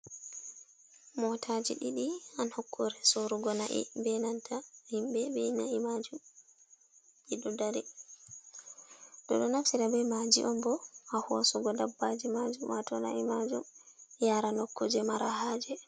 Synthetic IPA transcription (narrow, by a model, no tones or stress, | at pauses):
mɔtʰad͡ʒiɗiɗianhɔkʰːoɾɛsoɾuɡɔnaʔḭbɛnantʰahimbɛbɛnaimad͡ʒum | ɓiɗɔdaɾɛ | ɗɔɗɔnafsiɾabɛmad͡ʒḭʔɔmbɔhahuasuɡɔdabːad͡ʒɛmad͡ʒumwatɔna̰ʔimad͡ʒṵmjaɾanɔkːod͡ʒɛmaɾaɦaːd͡ʒɛ